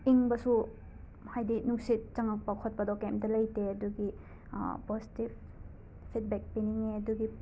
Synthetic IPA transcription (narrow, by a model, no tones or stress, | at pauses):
iŋbɐsu | hajdinuŋsit̚t͡ʃaŋak̚pakʰɔt̚pɐdɔkemtɐlɐjteɐduɡḭ | posi̥tib | pʰːit̚bɛk̚piniŋeɐduɡi